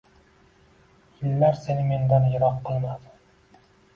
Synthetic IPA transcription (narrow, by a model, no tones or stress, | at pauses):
jɪlːaɾsenɪme̞nd̪anjɪɾɒqqɨlˠmad̪ɪ